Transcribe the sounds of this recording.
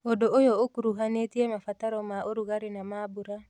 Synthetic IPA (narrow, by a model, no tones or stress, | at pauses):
odoojɔokuɾuɦanetiemafataɾɔmaoɾuɣaɾenamaːbuɾa